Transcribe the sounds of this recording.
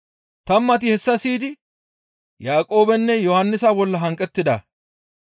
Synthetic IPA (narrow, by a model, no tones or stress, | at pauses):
t̪ɐmːɐt̪ɪhɛsːɐsiːd̪ɪ | jaːkʼo̞ːbɛnːɛjɔhɐnːɪsabɔlːɐɦɐŋkʼːɛt̪ːɪd̪ɐ